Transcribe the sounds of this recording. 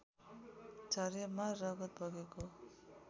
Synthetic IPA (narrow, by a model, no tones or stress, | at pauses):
d͡zʱʌɾemarːʌɡʌt̪̚bʱʌɡeko